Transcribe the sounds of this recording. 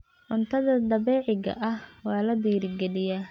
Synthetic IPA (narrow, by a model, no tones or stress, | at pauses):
ʕʊnt̪ʰɐðɐd̪ɐβɛːʕɪɣɐ̰ʔɐhwɑːlɐd̪iːɾɪɡɛlɪjaː